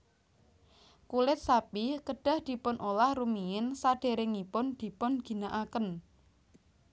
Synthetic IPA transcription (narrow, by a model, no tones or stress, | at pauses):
kulɪt̪̚sapikəɖ̥a̤hd̪̥i̤pʊnʔolahrumiɪnsaɖ̥e̤ɾɪŋipʊnd̪̥i̤pʊnɡ̥i̤naʔakən